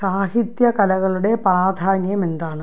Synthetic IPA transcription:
saːhit̪jɐkɐlɐɣɐɭuɽe̞pɐraːd̪ʱaːnjɐme̞nd̪aːɳɨ

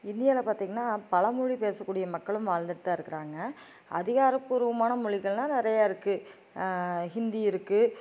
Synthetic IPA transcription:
ɪnd̪ɪjaːlɐpaːɾt̪iːŋɡɐnːaːpɐlɐmʊɻipeːsɐkːuːɽɪjɐmɐkːɐɭɯmʋaːɻnd̪ɯɽɯt̪ːaːɪɾɯkːɪɾaːŋɡɐ | ʔɐ̰ðɪɣaːɾɐpːuːɾɯʋɐmaːnɐmʊɻɪɣɐɭnãːnɪɾɐjaːɪɾɯkːɯ | hɪnd̪iɪɾɯkːɯ

